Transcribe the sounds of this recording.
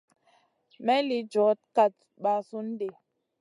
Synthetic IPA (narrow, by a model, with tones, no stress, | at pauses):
mɛ˦li˨d͡ʒɔ˨˦t̚ka˦˨t̚ | ɓa˨su˦n̩˦de˨